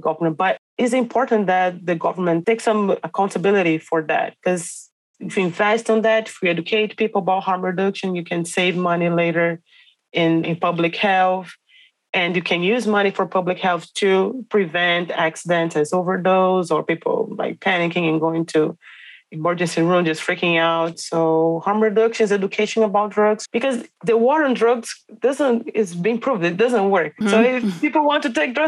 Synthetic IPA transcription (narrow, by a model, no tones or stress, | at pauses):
ɡʌvə˞mɨ̃n̚b̥ʌɾ | ɪzɨ̃mpʰɔɹʔn̩ðɨt̪̚ðɨɡʌvə˞mɨ̃ntʰeɪksʌ̃məkʰãʊ̃ntʰɨbɪlˠɨɾifə˞ðæ̰t̚kʰʌz | ɪfjiɪ̃ɱvɛstn̩ðætɪfwiɛd͡ʒɨkʰeɪt̚pipl̩ˠbaɪt̚hɑɹmɹɨdʌkʃɨ̃njɨkʰɨ̃nseɪvmʌnileɪɾə˞ | ɪ̃nɪ̃npʰʌblɨkhɛlˠθ | ʔɨ̃njɨkʰɨ̃njʉzmʌñifə˞pʰʌblɨkhɛlˠθtʰɨpʰɹ̥ivɛ̃ntæksɨdɛ̃ntɨzoʊvə˞doʊzə˞pipʰl̩ˠla̰ɪk̚pʰænɪkɪ̃ŋɨ̃nɡoʊɪ̃ŋtʰu | məɹd͡ʒɨ̃nsiɹũmd͡ʒʌstfɹɪkɪ̃ŋaʊtsoʊhɑɹmɹɨdʌkʃɨ̃nzɛd͡ʒɨkʰeɪʃɨ̃nəbaʊt̚dɹʌɡz̥b̥ɨkʌzðɨwɔɾə˞ndɹʌɡz̥d̥ʌzə̃ntɪzbĩŋpʰɹ̥uvdɨt̚d̥ʌzə̃nt̚wɜ˞k̚soʊɪpipl̩ˠwɑ̃ntɨteɪk̚dɹʌ